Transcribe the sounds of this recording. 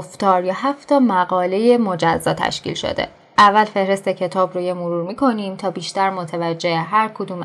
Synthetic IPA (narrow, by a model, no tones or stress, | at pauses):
ft̪ɒːɾjɒɦæft̪ʰɒːmæɣɒːle̞jemod͡ʒæzːɒːt̪ʰæ̰ʃcḭlʃo̰d̪ḛ | ʔævːælfe̞hɾe̞st̪ecʰe̞t̪ʰɒːbɾojemoɾuːɾmiːkʰo̞niːmt̪ʰɒːbiːʃt̪æɾmot̪ʰævæd͡ʒːe̞heɦæɾkʰod̪uːm